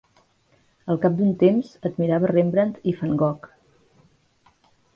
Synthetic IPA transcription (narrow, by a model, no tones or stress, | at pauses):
əlˠkap̚d̪unt̪emzəd̪miɾaβərembɾənt̪ifəŋɡɔk